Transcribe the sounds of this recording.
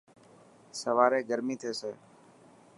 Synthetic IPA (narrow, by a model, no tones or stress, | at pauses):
səʋaːɾeːɡəɾmĩːt̪ʰeːseː